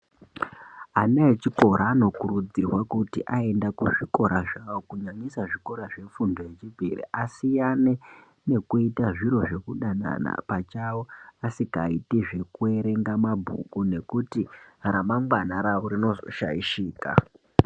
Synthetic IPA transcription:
anaet͡ʃiko̞ɾaːno̞kurud͡zirwakutḭʔae̞ndakuʐiko̞ɾʔaʐawokuɲaɲisaʐiko̞ɾaʐe̞fundo̞je̞t͡ʃibʱirḭʔasijane | ne̞kuitaʐiɾo̞ʐe̞kuɗana̰na̰pat͡ʃawoasikaitiʐe̞kue̞ɾe̞ŋɡamabʱṵkune̞kutiɾamamɡwanaɾaoɾino̞oʃa̰ḭʃiːka̰

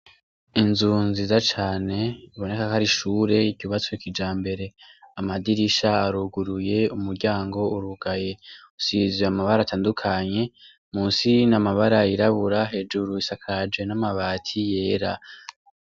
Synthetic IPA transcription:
inzunzizat͡ʃaːne̞iβo̞ne̞kakaɾiʃuːɾe̞icuβat͡soikid͡ʒaːmbe̞ɾe̞amadiɾiʃaaɾuɡuɾuje̞umuɾɟaːŋɡo̞uɾuɡaje̞usizweamaβaɾaːtʰaːndukʰaɲe̞ | muːnsinamaβaɾaiɾaβuɾaɦe̞ːd͡ʒuɾuisakʰad͡ʒe̞namaβaːtʰije̞ːɾa

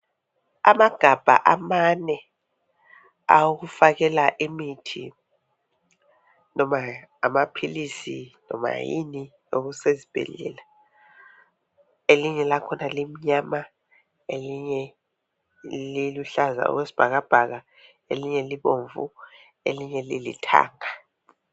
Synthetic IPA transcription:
a̰maɡ̥ʱab̥ʱa̰ʔamanɛ | a̰wuɣufaɣɛlaʔimitʰḭ | nɔmaːmapʰilisḭnɔ̰ma̰jḭni | oɣusezib̥ʱɛ̰lɛ̰la | eliɲɛlakʰɔnalim̩ɲaːma | eliɲɛ | liluɬaza̰ɔ̰kwesi̥b̥ʱak̬ab̥ʱaɣ̬a | eliɲɛliɓoɱvṵ | eliɲɛlilḭtʰa̰ːŋa

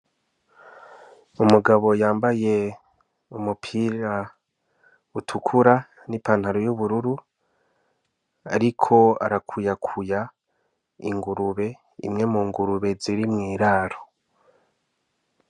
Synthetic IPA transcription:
umuɡaβo̞jaːmbaje̞ | umupʰiɾa | utʰukʰuɾa | nipaːnhaɾojuβuɾuɾu | aɾikʰo̞a̰ɾakʰujakʰuja | ḭŋɡuɾuβe̞ | ḭmŋe̞muːŋɡuɾuβe̞ziɾimŋiːɾaːɾo̥

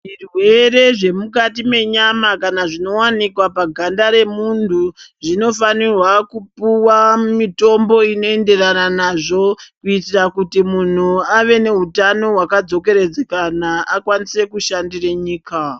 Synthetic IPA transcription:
irwe̞re̞ʐe̞mukatime̞ɲamakanaʐino̞wanikwapaɡʱandaɾe̞muntʰuʐino̞fanirwakupuwamito̞mbo̞ino̞e̞nde̞rananaʐo̞kuitirakutimun̤uaʋe̞ne̞ɦutano̞ɦwakad͡zo̞ke̞ɾe̞d͡zekanaʔakwanise̞kuʃandireɲiːka

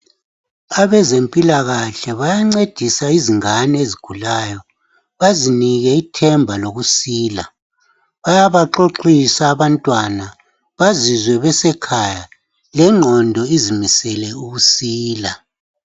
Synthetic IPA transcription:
aβɛzempʼilaɣaɬɛβajaŋ͡ǀed̥ʱisaiziŋanɛeziɡ̥ʱulaːjɔ | βaziniɣɛitʰɛmbʱaloɣusiːla̰ | βajaβaǃoǃisaːβantʼwana | βazizwɛβɛsɛkʰaja | lɛŋ͡ǃʱɔndʱɔizimisɛlɛuɣusiːla

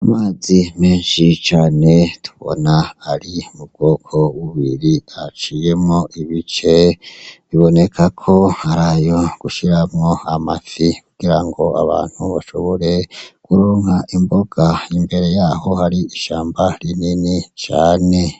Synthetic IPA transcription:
amaːzime̞ːnʃit͡ʃaːne̞tu̥βo̰naːɾiumub̚ɡ̥o̞ːkʰo̞wuβiɾiat͡ʃije̞mŋoʔiβit͡ʃe̞βiβo̞ne̞kʰakʰo̞aɾajo̞ɡ̥uʃiɾamŋoamafikuɡ̥iɾaŋɡo̞a̰βa̰ːn̥huβaʃo̞βo̞ɾe̞kuɾoːŋaʔimbo̞ɡ̥aimbe̞ɾe̞jaːho̞haɾiiʃaːmbaɾininit͡ʃaːne̞

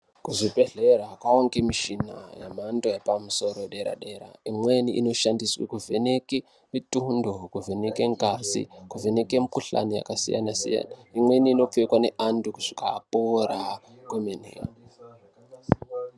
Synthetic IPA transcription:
kuʐibeɮeɾakwaoŋɡemiʃina̰jamantoepamuso̞ɾoɗeɾa̰ɗeɾa̰imwe̞niʔino̞ʃandiswḭkuveneki | mitundokuve̞nekeŋkasḭkuve̞nekiemikuɬa̰nija̰kasḭja̰nasḭja̰naimwe̞niːno̞p͡fekwane̞ʔandukuʐ̥ikapoɾa | kwemenḭa̰

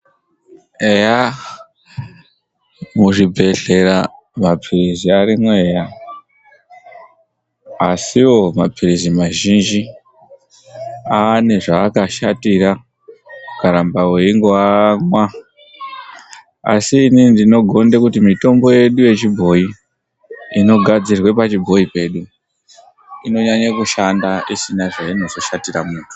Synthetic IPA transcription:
eja | muʐibʱe̞ɬe̞ɾa | mapʰiriziaɾimwe̞ja | asiwo̞mapʰirizimaʒind͡ʒi | ane̞ʐaːkaʃatiɾa | ukaɾambaweiŋɡoaŋwa | a̰siːnindino̞ɡʱo̞ndekutimito̞mbo̞je̞ɗuje̞t͡ʃibʱo̞i | ino̞ɡʱad͡zirwe̞pat͡ʃibʱo̞ipe̞ːɗu | ino̞ɲaɲakuʃandaisinaʐaino̞zo̞ʃatiramuːtʰu̥

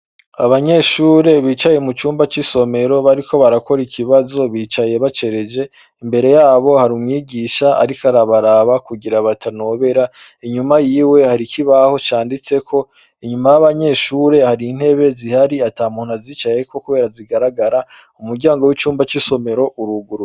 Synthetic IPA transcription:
aβaɲe̞ʃuːɾe̞βiːt͡ʃajemut͡ʃuːmbat͡ʃiso̞me̞ɾo̞βaɾiko̞βaɾako̞ɾikʰiβazo̞βiːt͡ʃaje̞βat͡ʃe̞ɾe̞d͡ʒe̞ | imbe̞ɾe̞jaːβo̞haɾumŋiːɡiʃaa̰ɾikaɾaβaɾaβakuɡiɾaβatʰano̞βe̞ɾa | iɲumajiːwe̞haɾikʰiβaho̞t͡ʃaːndit͡se̞kʰo̞ | iɲumajaβaɲe̞ʃuːɾe̞haɾiːn̥he̞βe̞zihaɾiataːmuːn̥aziːt͡ʃaje̞ko̞kuβe̞ːɾaziɡaɾaɡaɾa | umuɾɟaːŋɡo̞wit͡ʃuːmbat͡ʃiso̞me̞ɾo̞ʔuɾuɡuɾ

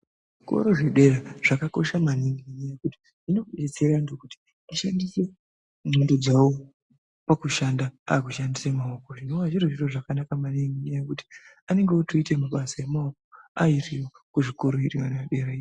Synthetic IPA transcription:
ʐiko̞̰ɾo̞ʐe̞ɗe̞raʐ̥akako̞ʃamaniŋɡiɲajekuti̥ | ino̞et͡serandokuti̥ | iʃandise̞ | mendod͡zawo | pakuʃandaa̰ːkuʃandisemaokoʐino̞waʐiroʐiroʐakanakamaniŋɡiɲajekuti̥ | ane̞ŋɡeotuitemaɓasae̞maokoairiwo | kuʐiko̞ɾo̞iriwanaɗe̞ɾaio

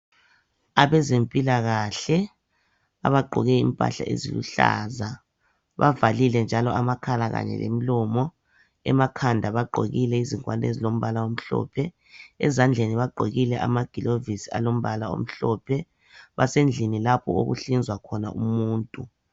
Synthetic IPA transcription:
aβɛzempʼilaɣaɬɛ | a̰βaɡ͡ǃʱɔɣɛimpʼa̰ɬa̰ʔḛzḭlṵɬa̰ːza | βavalilɛnd͡ʒʱalɔamakʰalaɣa̰ɲɛ̰lḛmilɔmɔ | ɛmakʰandʱaβaɡ͡ǃʱo̰ɣilɛiziŋkʼwanḛzilom̩βalaom̩ɬɔ̰ːpʰɛ | ɛ̰zand͡ɮʱeniβaɡ͡ǃʱoɣilɛʔamaɡ̥ʱilovisia̰lom̩βalao̰m̩ɬɔpʰɛ | βasend͡ɮʱinilapʰɔo̰ɣṵɬind͡zʱwakʰɔna̰ʔumuːntʼu

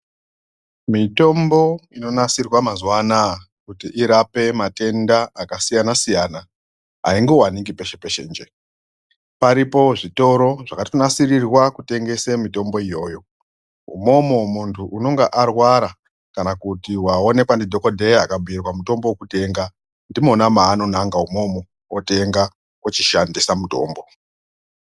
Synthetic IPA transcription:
mito̞mbo̞ino̞nasirwamazwana | kutiʔiɾape̞mate̞ndaakasijanasijana | a̰iŋɡe̞waniŋɡipe̞ʃe̞peʃend͡ʒe | paɾipo̞ʐito̞ɾo̞ʐakatonasirirwakute̞ŋɡe̞semito̞mbo̞ijo̞ːjo̞ | ṵmo̞momuntʰuʔuno̞ŋɡeʔarwaɾa | kanakutiwao̞ne̞kwandidʱo̞kodʱejakabʱuirwamuto̞mbo̞wokute̞ŋɡa | ndimo̞namaːno̞naŋɡaumo̞mo̞ | wote̞ŋɡa | wot͡ʃiʃandisamuto̞̰ːmbo̞

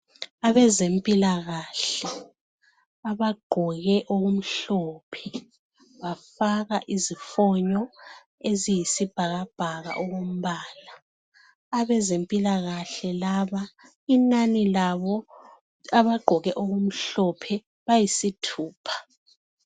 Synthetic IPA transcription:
aβɛzempʼilaɣaɬɛ | aβaɡ͡ǃ̥ʱɔɣɛʔoɣum̩ɬɔːpʰɛ̥ | βafaɣaʔizifɔɲɔ | ezijisib̥ʱaɣab̥ʱaɣa̰ʔoɣum̩βaːlaː | βɛzempʼilaɣaɬɛlaβa | inanilaβɔ | aβaɡ͡ǃʱɔɣɛʔoɣum̩ɬɔpʰɛ | βajisitʰuːpʰḁ

